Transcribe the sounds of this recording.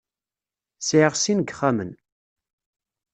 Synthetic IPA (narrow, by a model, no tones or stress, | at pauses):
sʕiʁsinɡχːamən